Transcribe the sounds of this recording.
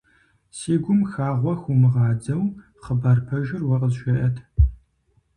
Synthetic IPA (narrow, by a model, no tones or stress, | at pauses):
seːɡʷʊmxaːʁʷɔxumɨʁɑːd͡zɐw | χəbarpʰɐʒɪrwɐqəzʃʷɐʔɐtʰ